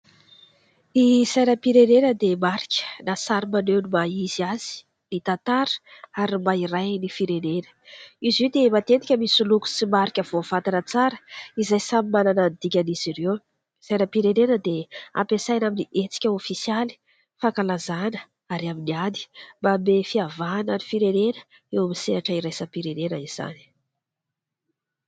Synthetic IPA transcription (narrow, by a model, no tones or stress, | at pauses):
isajnəpiɾenenəd̪emaɾikʲə̥nasaɾimanewnimaiziaz̥i̥ | nit̪at̪aɾə̥aɾimairajnifiɾenenə̥iziwd̪emat̪et̪ikʲəmisuluku̥simaɾikʲəvovat̪anət͡saɾəizajsamimananand̪ikʲəniz̥irew | zajnəpiɾenenəd̪ea̰pesajnaminiʔet͡si̥kʲəofisijali̥ | fakalazanə̥ | aɾiaminiani̥mbamefiavanənifiɾenenə̥ | ewamisenaʈ͡ʂəiɾajsapiɾenenəiz̥a̰ni̥